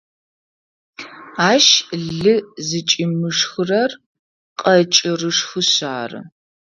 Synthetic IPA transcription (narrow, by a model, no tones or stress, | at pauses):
aːʃɮɨzɨt͡ʃʼɪmɨʂxɨrɐr | qʼɐt͡ʃʼɪrɨʂxɨɕa̰ːrɨ̰